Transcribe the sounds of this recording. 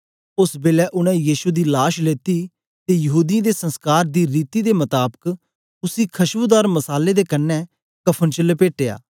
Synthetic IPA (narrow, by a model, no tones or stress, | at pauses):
ʊsbeːlɛːʔʊɽ̃ɛ̃ːjiːʃud̪iːlaːʃleːt̪iː | t̪eːjəɦuːd̪ijãːd̪eːsə̃nskaːɾd̪iːɾiːt̪iːd̪eːmət̪aːbək | ʊsiːkʰəʃbʊd̪aːɾməsaːleːd̪eːkənːɛː | kəpʰənt͡ʃələpeːʈeːa̰ː